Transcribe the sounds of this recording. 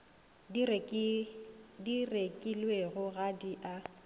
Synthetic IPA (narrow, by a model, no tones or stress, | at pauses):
direkʼilweɣʊɣadiʔa